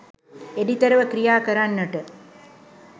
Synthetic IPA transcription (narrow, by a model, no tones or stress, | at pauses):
edit̪ɐɾɐʋɐkɾijaːkɐɾaːnːɐʈːɐ